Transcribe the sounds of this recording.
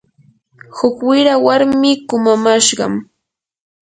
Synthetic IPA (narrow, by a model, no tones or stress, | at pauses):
hʊkwɪɾawaɾmɪkʊmamaʃɢɑ̰m